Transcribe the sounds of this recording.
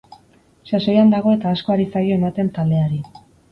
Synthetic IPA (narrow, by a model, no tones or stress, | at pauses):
saso̞jand̪aɣ̞o̞e̞t̪aːsko̞aɾisajo̞e̞mat̪e̞nt̪ald̪e̞aɾi